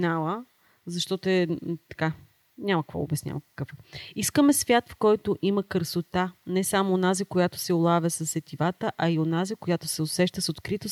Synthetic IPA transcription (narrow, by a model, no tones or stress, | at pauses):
nalˠə | zɐʃt̪ɔt̪ʊɛt̪ɐ̥ka | nʲamɐkvɔ̰o̰bɛsnʲa̰vəkɐ̥kɤfiskəmɛsvʲjat̪fkɔjt̪ʊʔimɐkəɾsot̪anɛsamoːnazikojat̪ʊ̥sɛolˠavʲəsɐsɛt̪ivat̪əʔɐionazikojat̪o̥sɛosɛʃt̪əsot̪kɾit̪os